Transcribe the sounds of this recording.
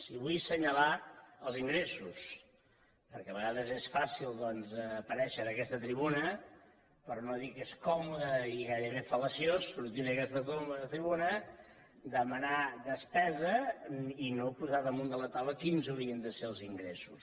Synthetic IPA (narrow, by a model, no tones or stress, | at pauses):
siβujsəɲəlaəlˠziŋɡɾesus | pəɾkɛəβəɣaðəzesfasilˠd̪ɔnzːpəɾɛʃəɾəkɛst̪ət̪ɾiβunə | pəɾnoðikeskɔmuðəiɣajɾəβ̞efələsjosːuɾt̪inəkɛst̪əkomuðət̪ɾiβunə | d̪əmənad̪əspɛzəinopuzaðəmund̪ələt̪awəkinzəwɾiənd̪əseəlˠziŋɡɾesus